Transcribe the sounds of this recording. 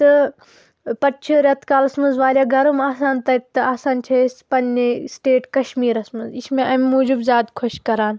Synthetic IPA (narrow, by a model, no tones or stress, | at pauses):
t̪ɨ | pɐʈt͡ʃʰiɾʲɐt̪kaːlɐsmɐnzʋaːlʲjaːɡʱɐɾumaːsaːnt̪ɐk̚t̪ɨaːsaːnt͡ʃʰɐspɐnːesʈeːʈkɐʃmiːɾɐsmɐziʃmẽʔɐmmːuːd͡ʒibzʲaːd̪kʰoʃkɐɾaːn